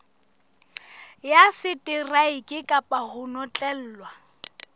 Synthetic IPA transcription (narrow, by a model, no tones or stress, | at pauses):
jasɪtʼɪraikʼɪkʼapʼahʊnɔt͡ɬʼɛl̩ːlwa